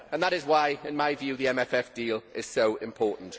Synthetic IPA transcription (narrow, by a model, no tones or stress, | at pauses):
ə̃nðəɾɪzwaɪɪ̃nmaɪvjʉːðiɛ̃mɛfɛfd̥iːlʔɪz̥soʊɪ̰̃mpʰɔːˑʔn̩t